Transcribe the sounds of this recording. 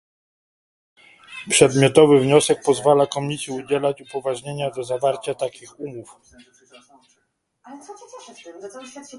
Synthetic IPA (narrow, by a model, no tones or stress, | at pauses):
pʂɛd̪mʲjɔt̪ɔvɘvɲɔsɛk̚pɔzvalakɔmʲisʲjiud͡ʑɛlat͡ɕupɔvaʐɲeɲad̪ɔzavaɾt͡ɕat̪akʲixumuf